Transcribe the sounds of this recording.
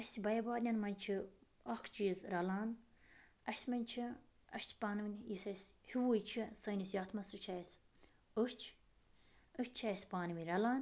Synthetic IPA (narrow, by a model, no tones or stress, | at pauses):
ɐsʲbɐjɐbaːɾnʲɐnmɐnʲt͡ʃʰi | ɐkʰt͡ʃizɾɐlaːn | ɐsʲmɐnʲt͡ʃʰi | ɐʃʲt͡ʃʲʰpaːnɨʋinʲjisɐsʲhiwujt͡ʃʰisɐnʲisjɐt̪ʰmɐsut͡ʃʰasʲ | ɨʃt͡ʃʰ | ɨʃt͡ʃʰasʲpaːnɨʋinʲɾɐlaːn